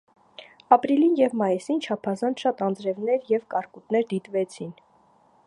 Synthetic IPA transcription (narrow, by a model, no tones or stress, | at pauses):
ɑpɾilinjɛvmɑjisint͡ʃʰɑpʰɑzɑnt͡sʰʃɑt̪ɑnd͡zɾɛvnɛɾjɛvkɑɾkut̪nɛɾd̪it̪vɛt͡sʰin